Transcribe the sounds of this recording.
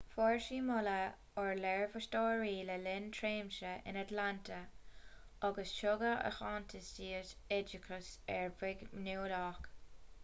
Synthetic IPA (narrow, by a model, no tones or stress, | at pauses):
fɔɹʃiːmʊlə | ɔɹlɛɹvəʃtɔːɹiːləlɪntʰɹeːmʃəʔɪ̰natlantʰə | aɡəsʃɔɡəə̰xɑːntʰəsdiːətɛd͡ʒɪkʰəsɛɹvɪɡnuːlɔːk